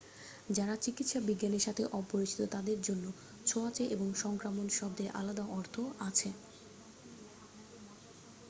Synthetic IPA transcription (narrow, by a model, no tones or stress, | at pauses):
d͡ʑaɾat͡ɕikit̪ʃabiɡːaneɾʃat̪ʰeʔɔboit͡ɕʰi̥t̪ot̪ad̪eɾd͡ʑonːo | t͡ɕʰoat͡ɕeʔeboŋʃɔŋkɾamonʃɔb̚d̪eɾʔa̰lad̪aʔɔɾt̪ʰoat͡ɕʰe